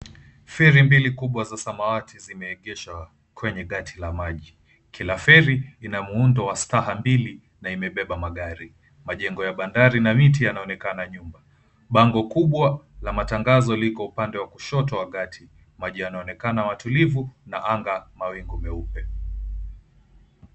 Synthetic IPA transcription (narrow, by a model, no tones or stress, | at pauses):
fɛɾimbilikuɓwazasamawatʰizimɛːɠɛʃa | kʰwɛɲɛɠatʰilamaʄi | kʰilafɛɾiinamuundɔwastaɦambili | naimɛɓɛɓamaɠaɾi | maʄɛŋɡɔjaɓandaɾinamit̬ijanaɔnɛkanaɲumba | ɓaŋɡɔkuɓwalamataŋɡazɔlikɔupandɛwakuʃɔtɔwaɠatʰi | maʄianaɔnɛkanawatulivunaʔaŋɡamawiŋɡumɛupɛ